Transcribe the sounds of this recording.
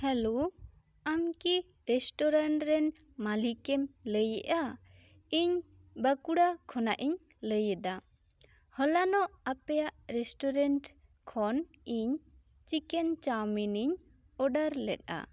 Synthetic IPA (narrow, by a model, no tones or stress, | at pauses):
hɛlo | amki | ɾɛsʈɔɾaɳʈɾɛn | malikɛmləjɛʔa | iɲ | bakuɽakʰɔnaʔiɲ | ləjɛd̪a | hɔlanɔʔapɛjaʔɾɛsʈɔɾɛɳʈ | kʰɔn | iɲ | t͡ʃikɛnt͡ʃawminiɲ | ɔɖaɾlɛ̰t̚a̰